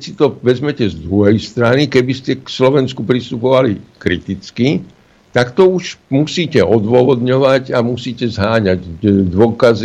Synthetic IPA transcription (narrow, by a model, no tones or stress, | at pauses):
sit̪ɔʋɛzmɛcɛzd̪ɾuɦɛjst̪ɾanikɛbiscɛkslɔʋɛnskupɾist̪upɔʋalikɾit̪it͡ski | t̪akt̪ɔuʒmusiːcɛɔd̪ʋɔʋɔd̪ɲɔʋaɟamusiːcɛzɦaːɲaɟd̪ʋʊɔkazi